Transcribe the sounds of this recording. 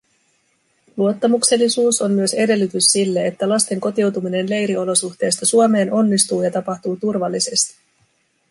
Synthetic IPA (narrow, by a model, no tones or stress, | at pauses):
luo̞t̪ːɑmukse̞lːisuːso̞mmyø̞se̞de̞lːyt̪ysːilːeet̪ːælɑst̪e̞ŋko̞t̪iwt̪umine̞nle̞jɾio̞lo̞suxt̪e̞ːst̪ɑsuome̞ːnʔo̞nːist̪uːjɑt̪ɑpɑxt̪uːt̪urʋɑlːise̞st̪i̥